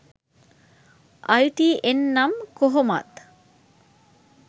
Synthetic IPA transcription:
ʔɐjʈiːʔenːɐmkoɦomɐ̰t̪

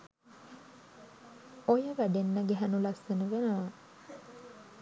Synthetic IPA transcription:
ojəʋæɖenːəɡeɦænulɐsːenuʋenəʋa

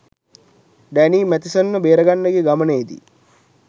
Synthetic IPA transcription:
ɖæniːmæt̪isənːəbeːɾəɡanːəɡeɡaməneːd̪ḭ

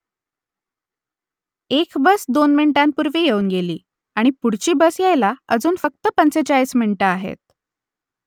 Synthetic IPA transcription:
ekbəsd̪onmiɳʈampuɾʋiːjeuːnɡeliː | aɽ̃ipuɽt͡ɕiːbəsjajlaəd͡zuːnfək̚t̪əpənt͡set͡ɕaismiɳiʈəaɦḛt̪̚

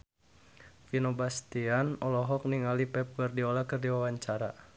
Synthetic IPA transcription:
finobast̪ianɔlɔɦɔk̚niŋalipɛp̚wərdiɔlakərdiwawaɲt͡ʃaɾa

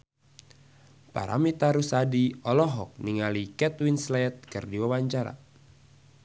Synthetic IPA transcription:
pa̰ɾa̰mit̪aɾusadiɔlɔɦɔk̚niŋalikɛt̪winslɛt̪̚kɨrdiwawaɲt͡ʃaɾa̰

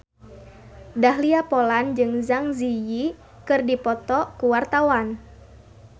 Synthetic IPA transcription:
daɦliapɔland͡ʒɨŋzaŋziji | kɨrdipɔt̪ɔkuwart̪awan

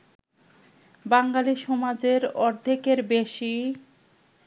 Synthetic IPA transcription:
baŋɡaliʃɔmad͡ʑeɾɔɾd̪ʱekeɾbeʃi

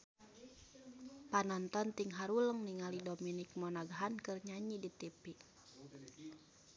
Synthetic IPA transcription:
panɔnt̪ɔnt̪iŋɦaɾuləŋniŋalidominik̚mɔnaɡaɦankɨrɲaɲidit̪ipi

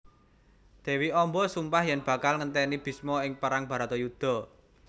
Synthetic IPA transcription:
d̪̥e̤wiɔmbɔsumpahjɛnb̥ä̤kalŋənt̪ɛnib̥i̤smɔɪŋpaɾaŋba̤ɾat̪ɔjud̪̥ɔ̤

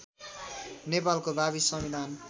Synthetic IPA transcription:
nepalkobʱabisʌmid̪ʱan

